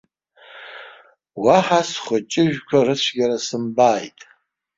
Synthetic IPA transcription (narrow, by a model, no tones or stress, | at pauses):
waħasχʷʊt͡ʃʼɪʒᶣkʷʰarɨt͡ɕʷʰɡʲaɾasɨmbaːjtʼ